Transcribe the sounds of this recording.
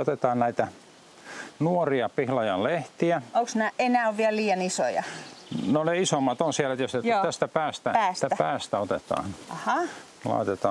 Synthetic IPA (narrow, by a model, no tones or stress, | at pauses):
ot̪et̪ɑːnnæit̪æ | nuoriɑpihlɑjɑlleht̪iæoksnæːˑʔenæːˑoʋʋiælliːjɑniso̰jɑ̰noneisomːɑt̪onsiælet̪joset̪æst̪æpæːst̪ææst̪æpæːst̪æot̪et̪ɑ̰ːnɑhɑ | lɑ̰it̪et̪ɑː